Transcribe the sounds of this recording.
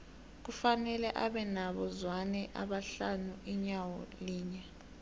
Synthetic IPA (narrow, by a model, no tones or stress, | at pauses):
k̬ufanɛlɛʔaɓɛnaɓɔzwanɛʔa̰ɓaɬanuʔiɲawɔliːɲɛ